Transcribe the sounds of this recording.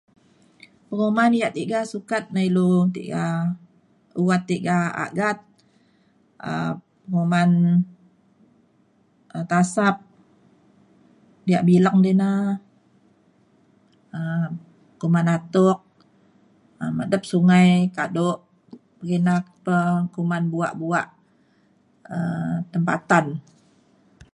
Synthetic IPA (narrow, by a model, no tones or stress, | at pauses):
pəŋomandijaʔt̪iʔɡasukat̪̚nailut̪ḭʔɡa | uwat̪ːiʔɡaa̰ɡat̪̚ | ə̰ppəŋoman | ət̪asap̚ | dijaʔbilaŋdena | ə | kumanat̪ʊk̚ | əmədəp̚suŋajkadʊʔ | pəɡinakpəkumanbua̰ʔbuaʔ | ət̪əmpa̰t̪an